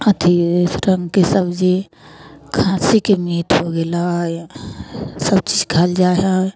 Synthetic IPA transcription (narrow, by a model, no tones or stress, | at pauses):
ɐt̪ʰisɾɐŋɡkesɐbd͡ʒi | kʰãːsikemniːt̪ʰɦoːɡelaː | sɐb̚t͡ʃiːd͡ʒkʰald͡ʒaːɦa